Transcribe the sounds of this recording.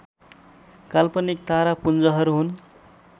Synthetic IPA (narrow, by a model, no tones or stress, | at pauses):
kalpʌnik̚t̪aɾapund͡zʌɦʌɾuɦun